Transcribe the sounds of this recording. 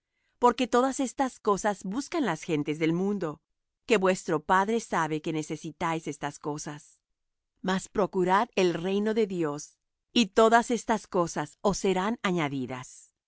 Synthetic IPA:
poɾke̞t̪o̞ðase̞st̪asko̞sazbuskanlasxe̞nt̪e̞zðe̞lmũnd̪o̞ | ke̞βwe̞st̪ɾo̞paðɾe̞saβe̞ke̞ne̞se̞sit̪ajse̞st̪asko̞sas | maspɾo̞kuɾaðe̞lre̞jno̞ðe̞ðjo̞s | it̪o̞ðase̞st̪asko̞saso̞sːe̞ɾanaɲaðiða̰s

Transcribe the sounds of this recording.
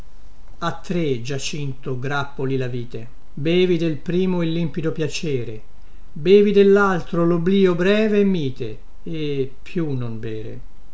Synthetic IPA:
at̪ːɾed͡ʒat͡ʃint̪oɡɾapːolilaviːt̪e | beːvid̪elpɾiːmoilːimpid̪opjat͡ʃɛːɾḛ | beːvid̪elːalt̪ɾolobliːobɾɛːvemːiːt̪ḛː | pʰːjunonbɛːɾḛ

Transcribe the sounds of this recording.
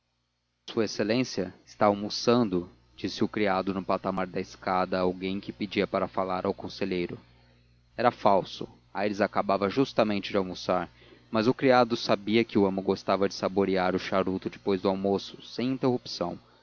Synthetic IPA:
suɐeselẽsiɐɪst̪aːwmusɐ̃nd̪ʊ | d͡ʒisɪʊkɾiad̪ʊnʊpat̪amaɾd̪ɐɪskad̪ɐawɡẽj̃kɪpɪd͡ʒiɐpaɾɐfalaɾawkõseʎejɾʊ | ɛɾɐfawsʊ̰ | ajɾɪzakabavɐʒust̪ɐmẽnt͡ʃɪd͡ʒɪawmusaɾ | mɐzʊkɾiad̪ʊsabiɐkɪʊɐ̃mʊɡost̪avɐd͡ʒɪ̥saboɾiaɾʊʃaɾut̪ʊd͡ʒɪpojzd̪ʊawmosʊ̥sẽj̃ĩnt̪ehupsɐ̃w̃

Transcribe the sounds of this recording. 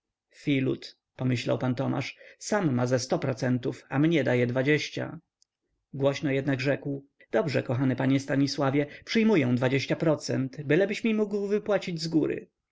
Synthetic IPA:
fʲilṵt̪ | pɔmɘɕla̰wpant̪ɔma̰ʂsamːazɛst̪ɔpɾɔt̪sɛnt̪ufamɲɛd̪ajɛd̪vad͡ʑeɕt͡ɕa̰ | ɡwɔɕnɔjɛd̪naɡʐɛkw | d̪̥ɔbʐɛkɔxanɘpaɲɛst̪aɲiswavʲjɛpʂɘjmujɛw̃d̪vad͡ʑeɕt͡ɕapɾɔt̪sɛ̰nt̪bɘlɛbɘɕmʲimuɡwvɘpwat͡ɕid͡ʑzɡuɾɘ̰

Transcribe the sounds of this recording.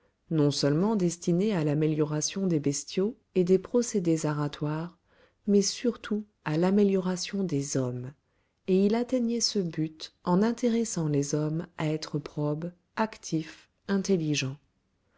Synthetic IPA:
nɔ̃sœlmɑ̃d̪ɛst̪inealameljɔʁasjɔ̃d̪ebɛst̪jo | ed̪epχɔsed̪ezaʁat̪waʁ | mɛsyʁt̪ʰu | alameljɔʁasjɔ̃d̪ezɔm | eilat̪ɛɲɛsəbyt̪ɑ̃nɛ̃t̪eʁɛsɑ̃lezɔmaɛt̪χəpχɔb | akt̪ʰif | ɛ̃t̪eliʒɑ̃

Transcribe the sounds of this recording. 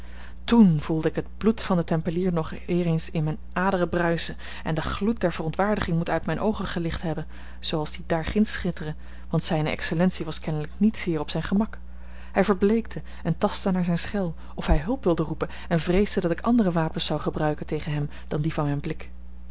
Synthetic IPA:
tunv̥ulˠdəɪkɦəd̚blutfɑndətɛmpəliːɹnɔχ | ɪːrənsɪnmɛjnʔaːdərəbrœɥsə | ʔɛ̰ndəχlut̚dɛɹvərɔntʋaːɹdəχɪŋmutœɥtmɛjnʔowχəχəlɪχtɦɛbən | z̥owɑlˠzdidaːɹχɪnsχɪtərə | ʋɑntsɛjnəʔɛ̰ksəlɛntsiʋɑskɛnələknitsɪːrɔpsɛjnχəmɑk | ɦɛjvəɹblejk̚tʰə | ɛntɑstənaːɹzɛjnsχɛlˠ | ɔfɦɛjɦɵlˠpʋɪlˠdərupən | ɛnvrejzdədɑtɪkɑ̰ndərəʋaːpənsɑwχəbrœɥkəntejχənɦɛm | d̥ɑndivɑnɛjnblɪk

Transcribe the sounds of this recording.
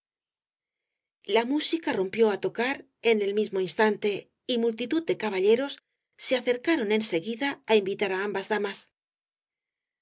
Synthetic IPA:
lamusikaro̞mpjo̞at̪o̞kaɾ | e̞ne̞lmizmo̞inst̪ant̪e̞ | imult̪it̪uð̚d̪e̞kaβaʎe̞ɾo̞sː | e̞aθe̞ɾkaɾo̞ne̞nse̞ɣiðaːimbit̪aɾaambazðamas

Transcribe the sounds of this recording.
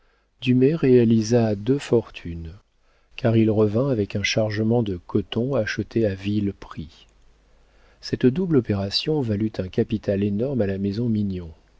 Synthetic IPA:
d̪̥ymɛʁealizad̪øfɔʁt̪ʰyn | kaʁilʁəvɛ̃avɛkɛ̃ʃaʁʒəmɑ̃d̪əkʰɔt̪ɔ̃aʃət̪ʰeavilpχi | sɛt̪d̪ublɔpeʁasjɔ̃valyt̪ʰɛ̃kapit̪alenɔʁmalamezɔ̃minjɔ̃

